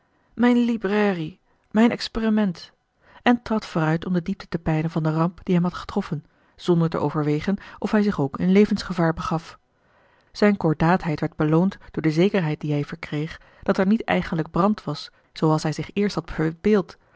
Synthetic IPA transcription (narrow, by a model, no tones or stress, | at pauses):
mɛjnlibrɛːri | mɛjnɛksperimɛnt | ʔɛntrɑtfoːrœɥtɔmdədip̚tə̥təpɛjnənvɑndərɑmpd̥iɦɛmɦɑtχə̥trɔfən | z̥ɔndəɹtə̰ʔo̰wvəɹʋejχənʔɔfɦɛjzɪχowkɪnlejvənsχəvaːɹbəχɑf | z̥ɛjnkɔɹdaːtɦɛjtʋɛɹd̚bəlowntd̥ʊːɹdəzejkəɹɦɛjt̚diɦɛjvəɹkrejχ | d̥ɑtɛɹnitɛ̰jχənləɡ̚brɑntʋɑs | z̥owɑlˠsɦɛjzɪχɪːɹstɦɑtəbɪːlˠt